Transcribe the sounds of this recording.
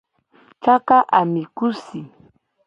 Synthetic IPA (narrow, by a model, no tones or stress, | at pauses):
t͡ʃakaʔamɪkʊsɪ